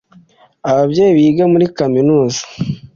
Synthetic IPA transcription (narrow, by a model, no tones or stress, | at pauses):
aβabɟe̞ːjiβiɡamuɾikaminuːzḁ